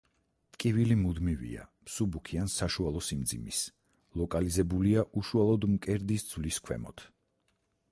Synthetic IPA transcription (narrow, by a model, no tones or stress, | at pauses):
t̪ʼkʼivilimud̪mivḭa̰msubukʰiansaʃualˠɔsimd̪zimis | lˠɔkʼalizɛbuliaʔuʃualˠɔd̪mkʼɛɾd̪isd̪z̥vliskʰwɛ̰mɔ̰t̪ʰ